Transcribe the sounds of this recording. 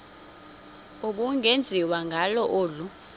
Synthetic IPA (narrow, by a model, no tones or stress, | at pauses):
ukuŋʱend͡zʱiwaŋʱalɔʔoːlu